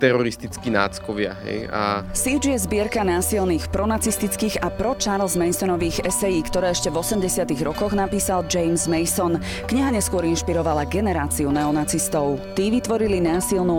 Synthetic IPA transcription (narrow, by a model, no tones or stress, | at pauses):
t̪ɛɾɔɾist̪it͡skina̰ːt͡skɔʋɪa̰ɦɛ̰ja̰sid͡ʒjɛzbɪɛɾkanaːsilniːxpɾɔnat͡sist̪it͡skiːɣapɾɔt͡ʃaɾlˠzmɛjsɔnɔʋiːɣɛsɛjiːkt̪ɔɾɛːɛʃcɛvɔsɛmɟɛsɪat̪iɣɾɔkɔɣnapiːsald͡ʒɛjmzmɛjsɔn | kɲiɦaɲɛskʊɔɾinʃpiɾɔʋalaɡɛnɛɾaːt͡siunɛɔnat͡sist̪ɔʊt̪iːʋit̪ʋɔɾilinaːsilˠnu